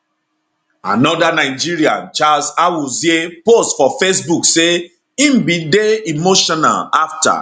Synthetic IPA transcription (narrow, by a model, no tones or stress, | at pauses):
a̰nɔdanaɪd͡ʒiɹiã̰nt͡ʃalsawuzjepostfɔfesbukse | ĩmbideimoʃɔna̰lafta̰